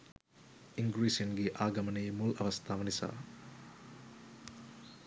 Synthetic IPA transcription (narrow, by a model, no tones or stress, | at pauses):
iŋɡɾiːsiɐnɡeʔaːɡɐmɐneːmulɐ̰ʋɐst̪ʰaːʋɐnisa̰ː